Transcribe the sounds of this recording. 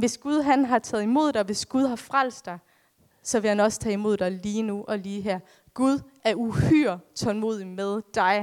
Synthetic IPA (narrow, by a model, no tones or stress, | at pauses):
ʋe̝sɡ̥uð̞ˠɦænɦɑ̈t͡sʰɛ̰ːð̩ˠimo̝ð̰ˠd̥ɑʋe̝sɡ̥uð̞ˠɦɑ̈fʁal̰sd̥ɑ̈ɪ | sɒ̽ʋe̝hænɒ̽sə̥t͡sʰɛ̰ːimo̝ð̞̰ˠd̥ɑ̈ɪliːnuʔɒ̽liːɦæɐ̰ | ɡ̥uð̞ˠʔæɐuhy̰ɐ̰t͡sʰɒ̽lmo̝ːð̰ˠimeðˠd̥ɑ̈ɪ